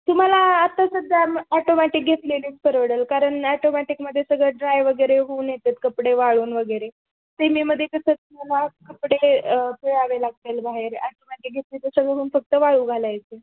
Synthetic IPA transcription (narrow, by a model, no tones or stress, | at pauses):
t̪um̤alaːt̪asəɡʱamaʈomɛʈik̚ɡʱet̪leniːt͡spəɾʋəɽəlkaɾəɳaʈomɛʈikməd̪ʱːjesəɡɭəɖɾajʋəɡəjɾeɦuːnjet̪et̪kəpɽeʋaɭuːnʋəɡəɾe | t̪emiːməd̪ʱːjekəsət̪um̤alakəpɽepeɭaʋelaɡ̚t̪elbaɦeɾaʈomɛʈik̚ɡʱet̪lit̪əsəɡɭəɦuːnfək̚t̪əʋaɭuːɡʱalajt̪e